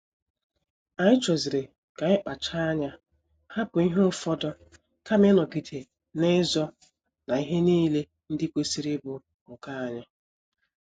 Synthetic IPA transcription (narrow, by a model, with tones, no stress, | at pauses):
a˨ɲɪ˦t͡ʃɔ˨zi˨ɾe˨ | ka˨ɲɪ˦k͡pa˨t͡ʃa˦a˦ɲa˦ | ha˦pʊ˨i˦ɦo˦ʊ˦fɔ˦dɔ˦ | ka˦me˦nɔ˨ɡi˨tʰe˨ | ne˦zɔ˦ | na˨i˦ɦe˦niː˦le˦ | n̩˦dɪ˦kʷe˦si˦ɾɪ˦bʊ˨ | ŋ̩˨ka˦a˦ɲa˦